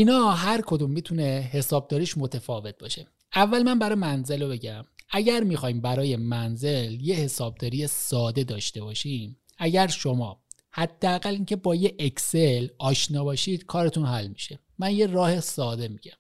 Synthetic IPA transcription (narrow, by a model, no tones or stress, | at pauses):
ʔinɒːɦæɾkʰo̞d̪umːiːt̪ʰuneɦe̞sɒːb̚d̪ɒːɾiːʃmo̞t̪ʰefɒːve̞t̪̚bɒːʃe̞ | ævːælmænbæɾɒːjmænze̞lobe̞ɟæmæɟæɾmixɒːimbæɾɒːje̞mænze̞lje̞he̞sɒːb̚d̪ɒːɾijesɒːd̪e̞d̪ɒːʃt̪e̞bɒːʃim | æɟæɾʃo̞mɒ̰ː | hæd̪̥ːeæɣæliːncʰe̞bɒːjeʔecselɒːʃnɒːbɒːʃiːd̪̥kʰɒːɾet̪ʰunhælmi̥ʃe̞ | mænje̞rɒːhesɒːd̪e̞miɡɟæm